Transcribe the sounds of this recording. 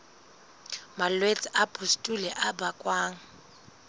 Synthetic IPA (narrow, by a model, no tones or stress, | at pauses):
malwet͡sʼɪʔapʼʰustʼulɛʔabakʼwaːŋ̩